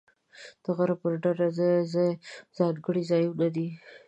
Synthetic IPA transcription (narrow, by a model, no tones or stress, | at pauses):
d̪̥əɣaɾapəɾɖaɾazəzazɑd̪ɡəɽizɑjlad̪i